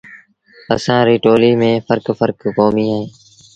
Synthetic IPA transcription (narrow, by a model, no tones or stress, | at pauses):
ə̰sãːɾiːʈoːliːmẽːpʰəɾkfʰəɾkkoːmiːɦaːɦẽː